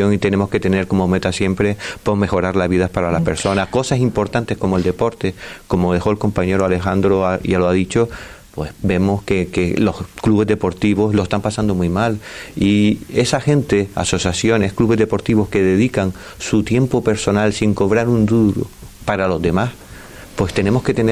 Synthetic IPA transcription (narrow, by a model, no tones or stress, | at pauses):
oŋit̪e̞nemo̞hke̞t̪e̞ne̞ɾko̞momet̪asje̞mpɾe̞po̞me̞xo̞ɾaɾlazβiðapaɾalape̞ɾso̞nahko̞sasimpo̞ɾt̪ant̪e̞hko̞moe̞ld̪e̞po̞ɾt̪e̞ko̞moðe̞xoelko̞mpaɲe̞ɾoale̞xand̪ɾoaialoaðit͡ʃo̞pwe̞sbe̞mo̞hkekelo̞hkluβe̞zðe̞po̞ɾt̪iβ̞o̞sloest̪ampasand̪o̞mujmalie̞saxe̞nt̪e̞a̰so̞sjasjo̞ne̞hkluβe̞zðe̞po̞ɾt̪iβo̞hke̞ðe̞ðikaŋ | sut̪je̞mpo̞pe̞ɾso̞nalsiŋko̞βɾaɾund̪uɾṵ | paɾalo̞zd̪e̞mas | pwe̞st̪e̞ne̞mo̞hke̞t̪e̞n